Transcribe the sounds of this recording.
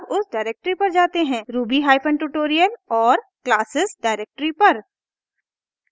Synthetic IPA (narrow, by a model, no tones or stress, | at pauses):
bʊsɖaːɪɾek̚ʈəɾipɐɾd͡ʒaːt̪eɦɛ̃ːɾuːbiɦaːɪpʰə̃ɳʈuːʈoːɾijəlɔːɾklaːsɪsɖaːɪɾeːk̚ʈəɾipɐɾ